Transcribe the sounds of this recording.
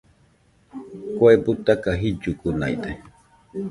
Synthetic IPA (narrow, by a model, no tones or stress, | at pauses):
kwebut̪akaɦid͡ʒʊkuna̰jd̪e